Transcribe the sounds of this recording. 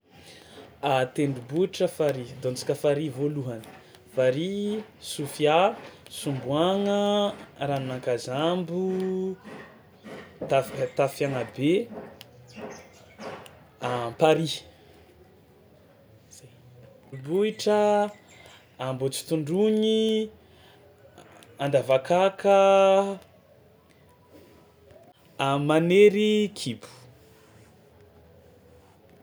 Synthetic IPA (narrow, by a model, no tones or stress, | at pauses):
at̪eɳɖ͡ʐubuiʈ͡ʂəfaɾid̪ont͡si̥kəfaɾivoluɦanə̥ | faɾisufiasumbuaŋəɾanunaŋkazambu | t̪at̪afaŋabe | ampaɾi | buiʈ͡ʂə | ambot͡si̥t̪uɳɖ͡ʐuɲi | and̪avakakə | amaneɾikʰibu̥